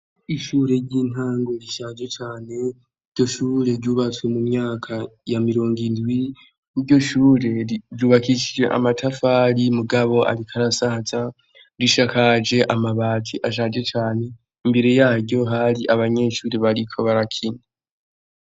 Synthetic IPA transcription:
iʃuːɾe̞ɾɟiːn̥aːŋɡo̞ɾiʃad͡ʒe̞t͡ʃaːne̞ | iɾɟo̞ʃuːɾe̞ɾɟuβat͡swemumɲaːkʰajamiɾo̞ːŋɡindɡwi | niɾɟo̞ʃuːɾe̞ɾuβakiʃid͡ʒe̞̰ʔa̰matʰafaːɾimuɡaβo̞ʔa̰ɾikʰaɾasaza | ɾiʃakad͡ʒe̞ʔamaβaːtʰiʔaʃad͡ʒe̞t͡ʃaːne̞ | imbe̞ɾe̞jaːɾɟo̞ɦaɾiʔaβaɲe̞ːʃuːɾe̞βaɾikʰo̞βaɾakʰine

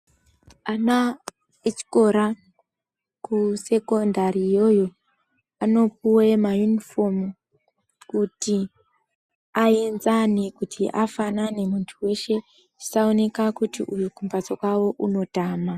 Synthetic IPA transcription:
ana | et͡ʃi̥ko̞ɾa | kuse̞ko̞ndaɾijo̞jo̞ | ano̞p̚uwe̞majunifo̞m | kuti | aenzanekutʰiʔafanane̞muntʰuwe̞ʃe̞ | i̥saone̞kakutḭʔujukumbat͡sokwawo̞ʔuno̞taːma

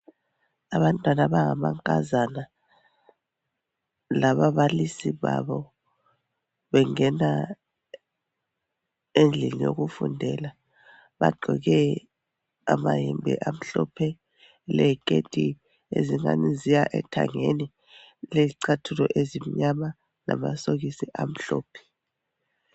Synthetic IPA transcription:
aβantʼwanaβaŋamaŋkʼazana | laβaβalisiβa̰βɔ | βɛŋɛna | end͡ɮʱɛlijoɣufṵndʱɛla | βa̰ɡ͡ǃʱɔɣɛ | amajimbʱɛ̰ʔam̩ɬɔpʰɛ | lɛikʼetʼi | ḛziŋa̰nizijaʔɛtʰa̰ŋeni | lɛǀʰatʰulɔʔezimiɲama | namasoɣisiʔam̩ɬɔːpʰɛ̥

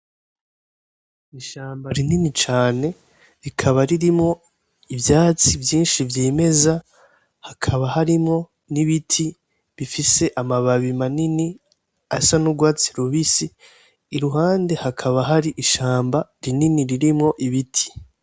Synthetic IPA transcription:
iʃaːmbaɾininit͡ʃaːne̞ | ɾikʰaβaɾiɾimŋo̞ | ivjaːt͡sivjiːnʃivjiːme̞za | hakʰaβahaɾimŋo̞ | niβitʰi | βifise̞ʔamaβaβimanini | asanuɡwaːt͡si̥ɾuβisiː | ɾuɦaːnde̞hakʰaβaɦaɾiʔiʃaːmbaɾininiɾiɾimŋo̞ʔiβitʰi̥

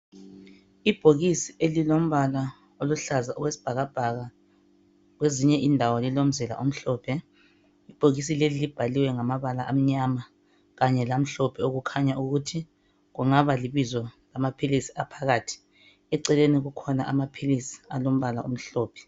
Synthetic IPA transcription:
ib̥ʱoɣisielilom̩βala | oluɬazaʔɔɣwesi̥b̥ʱaɣab̥ʱaɣa | ɣweziɲɛʔindʱawɔlilom̩zɛla̰ʔom̩ɬɔːpʰɛ | ib̥ʱoɣis̬ilelilib̥ʱaliwɛŋamaβalaʔam̩ɲama | ɣaɲɛlam̩ɬɔpʰɛoɣukʰaɲauɣutʰi | ɣuŋaβaliβizɔlamapʰilisi̥apʰaɣaːtʰi̥ | ɛǀɛleniɣukʰɔna̰ʔamapʰilisi̥alom̩βala̰ṵm̩ɬɔːpʰɛ̥

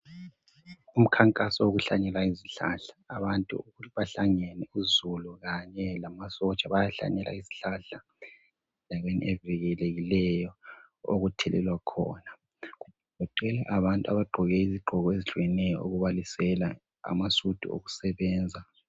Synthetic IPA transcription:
um̩kʰaŋkʼasɔoɣuɬaɲɛlaiziɬaɬḁːβantʼṵuβaɬaŋɛnɛuzuluɣaɲɛlamasɔt͡ʃʼaβajaɬa̰ɲɛlʔa̰iziɬaɬa | dʱaɣenḭɛviɣɛleɣilɛjɔ | o̰ɣutʰɛlɛ̰lwakʰɔ̰ːna | ɣu | ɔǃɛlaʔaβantʼua̰βaɡ͡ǃʱɔɣɛiziɡ͡ǃʱɔɣɔeziɬujɛnɛjɔ̰oɣuβalisɛla | a̰masud̥ʱṵo̰ɣu̥sɛβɛːnd͡zʱa

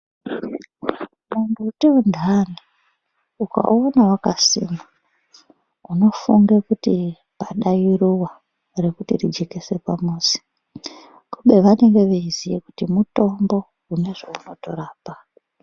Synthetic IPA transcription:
munduːteundʱani | uka̰onawakasḭːma | uno̞fuŋɡekuti | paɗajiruwa | re̞kutirid͡ʒekese̞pamuːzi̥ | kuɓe̞ʋane̞ŋɡe̞ʋeizijekutimuto̞mbo̞ | une̞ʐouno̞to̞̰ɾaːpa

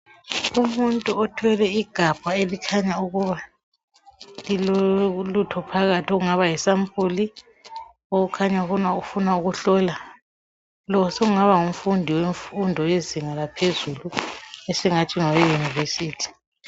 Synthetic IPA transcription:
umuntʼuɔtʰwɛlɛiɡ̥ʱab̥ʱaelikʰaɲauɣuβa | lilɔlutʰɔpʰaɣatʰiɔɣuŋaβajɛsampʼuli | oɣukʰaɲaɣunaufunauɣuɬɔla | lɔsɔɣuŋaβaŋum̩fundʱiweɱfundʱɔjeziŋalapʰezuluɛsɛŋatʰiŋawejunivesiːtʰi̥

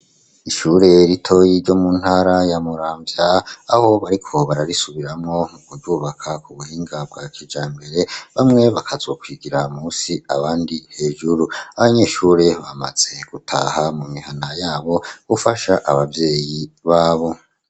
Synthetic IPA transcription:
iʃuːɾe̞ɾitʰo̞jiɾɟo̞mun̥haːɾajamuɾaːmbjaːho̞βaɾikʰo̞βaɾaɾisuβiɾamŋo̞muɡuɾjuːβakʰakuβuhiːŋɡab̚ɡwakid͡ʒaːmbe̞ɾe̞βamŋe̞βakʰazokwiɡiɾamuːsiaβaːndihe̞ːʒuɾuaβaɲe̞ːʃuːɾe̞βama̰z̥e̞ɡ̥utʰa̰ːhamumihanajaːβo̞βufaʃaʔaβavje̞ːjiβaːβo̞

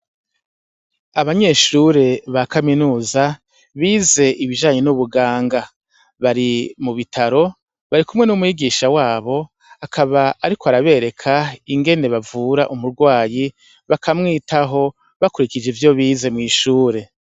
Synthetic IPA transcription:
aβaɲe̞ʃuɾe̞βakaminuːza | βiːze̞ʔiβiʒaːɲe̞nuβuɡaːŋɡa | βaɾimuβitʰaɾo̞ | βaɾikumŋe̞numujiɡiʃawaːβo̞ | akʰaβaaɾikʰoaɾaβe̞ːɾe̞kʰaiŋɡe̞ne̞βavuɾaʔumuɾɡwaːji | βakʰamŋiːtaɦo̞ | βakuɾikid͡ʒevjo̞βiːze̞mŋiːʃuːɾe̞

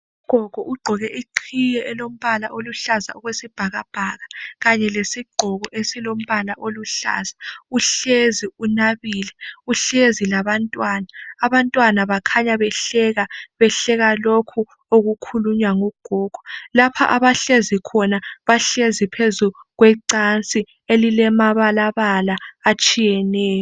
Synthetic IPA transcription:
uuɡ̥ʱɔɣ̥ʱɔʔuɡ͡ǃʱɔɣɛʔiǃʰijɛʔɛlom̩βalaʔoluɬaza̰ɔɣwesib̥ʱaɣab̥ʱaɣaɣaɲɛlesiɡ͡ǃʱɔɣɔʔesilom̩βalaʔoluɬa̰zauɬeziunaβiːlɛuɬezilaβantʼwaːnaːβantʼwanaβakʰaɲaβɛɬɛɣaβɛɬɛɣalokʰu | oɣukʰuluɲwaŋɔɡ̥ʱɔːɡ̥ʱɔ̥lapʰa̰ʔaβaɬezikʰɔnaβaɬezipʰezuɣwɛǀant͡sʼi | elilɛmaβalaβalaːt͡ʃʼijɛnɛːjɔ

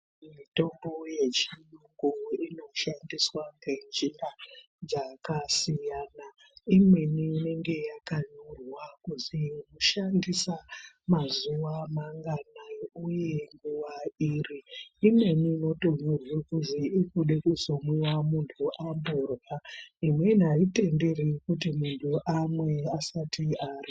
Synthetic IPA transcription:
mito̞mbo̞je̞t͡ʃinuŋɡuino̞ʃandiswaŋɡend͡ʒina | d͡zakasijana | imwe̞niine̞ŋɡe̞jakaɲurwakuzinoʃandisa | mazuwamaŋɡanauje̞ŋɡuʋairiːmwe̞niːno̞to̞ɲorwekuziikuɗe̞kuzomwiwamuntʰuʔamborwaimwe̞naite̞nde̞rekutimuntʰuʔamwe̞asatiari

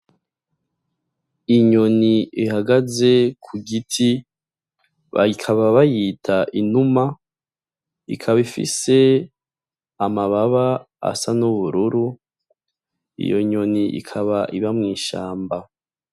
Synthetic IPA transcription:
iɲoniihaɡaze̞kʰuɡitʰi | βa̰ikʰaβaβajitʰaʔinuma | ikʰaβifḭse̞ | amaβaβa | a̰sanuβuɾuɾu | ḭjo̞̰ɲo̞niʔḭkʰaβaʔiβamŋiːʃaːmba

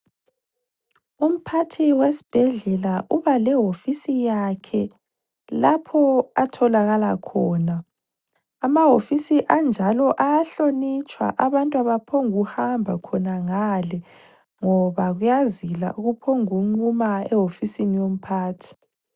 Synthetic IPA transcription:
um̩pʰatʰiwesi̥b̥ʱɛɮɛlaʔuβalɛɦofisijakʰɛ | lapʰɔatʰɔlaɣalakʰɔːnaː | maɦofisiʔand͡ʒʱalɔʔaaɬonit͡ʃʰʼwa̰ʔaβantʼuaβapʰoŋuhambʱakʰɔnaŋalɛ | ŋɔβaɣujazila̰ʔuɣupʰoŋuŋ͡ǃumaɛɦofisinijom̩pʰaːtʰi̥

